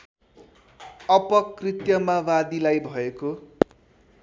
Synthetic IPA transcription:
ʌpʌkrit̪jʌmawad̪ilajbʱʌeko

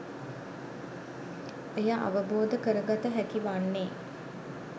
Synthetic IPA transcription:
ejaʔa̰ʋəboːd̪əkəɾəɡat̪əɦækiʋanːeː

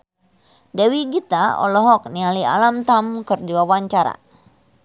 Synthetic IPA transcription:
dɛwiɡit̪aɔ̰lɔɦɔk̚nialia̰lamt̪amkɨrdiwawaɲt͡ʃaɾa̰

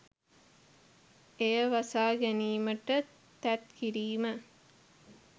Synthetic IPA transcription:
ejəʋɐsaːɡæniːməʈə | t̪æt̪kiɾiːmə

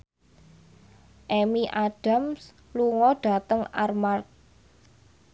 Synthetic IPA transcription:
ʔemiʔaɖ̥a̤ms | luŋɔɖ̥a̤t̪əŋarmart̪̚

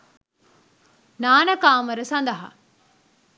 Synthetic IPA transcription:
naːnəkaːməɾəsɐnd̪ɐɦa̰

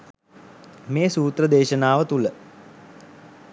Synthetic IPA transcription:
meːsuːt̪rəd̪eːʃənaːʋət̪ulə

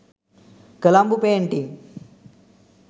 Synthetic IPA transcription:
kɐlaːmbupeɳʈi

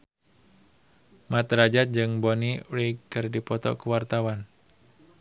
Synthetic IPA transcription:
mat̪ɾad͡ʒat̪̚d͡ʒɨŋboniɾikɨrdipɔt̪ɔ̰kəwart̪awan

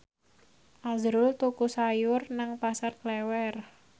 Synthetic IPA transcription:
ʔazɾʊlt̪ukusajʊrnaŋpasarklɛwɛr

